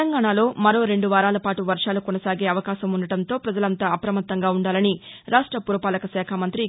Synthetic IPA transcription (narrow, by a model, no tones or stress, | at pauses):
ɐŋɡaːɳaːlo̞ːmɐɾo̞ːɾe̞ɳɖuʋaːɾaːlɐpaːʈuʋɐɾʂaːlukɔnɐsaːɡe̞ːɐʋɐkaːʃɐmunɐɽɐnt̪o̞ːpɾɐd͡ʒɐlɐnt̪aːɐpɾɐmɐt̪ːɐŋɡaːuɳɖaːlɐniɾaːʂʈɾɐpuɾɐpaːlɐkɐsɛːkʰamɐnt̪ɾi